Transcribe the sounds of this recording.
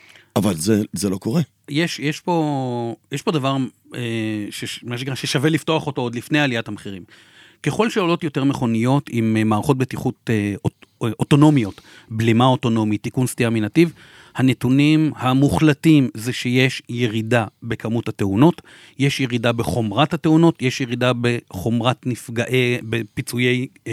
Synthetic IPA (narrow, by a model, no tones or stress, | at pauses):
avalzezelo̞koʁe | jeʃjeʃpo̞jeʃpo̞davaʁ | eʃemaʃekʁaʃeʃave̞lifto̞aχo̞tood̪lifnejalijathameχiʁim | ke̞χo̞lʃeolo̞tjo̞te̞ʁmeχo̞nijo̞timmaːʁaχo̞t̚betiχut̪oʔoto̞no̞mjo̞t | blimaoto̞no̞mitːikunstiaminativ | hane̞tunimhamuχlatimzeʃejeʃjeʁidabe̞kamuthateuno̞t | jeʃjeʁidabeχo̞mʁathate̞uno̞tjeʃjeʁidabe̞χo̞mʁatnifɡaʔebepit͡suje̞j